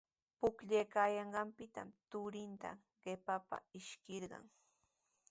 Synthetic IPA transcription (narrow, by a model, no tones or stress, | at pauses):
pʊkʎajkaːjɑɴɢɑmpɪt̪a̰mt̪ʊɾɪnt̪a̰ | ɢ̥epapa̰ɪʃkɪɾɢɑ̰ŋ